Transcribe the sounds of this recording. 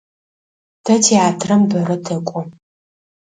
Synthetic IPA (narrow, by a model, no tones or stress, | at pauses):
dʰɐtʰiaːtʰrɐmbɐɾɐtʰɐkʷʼʊ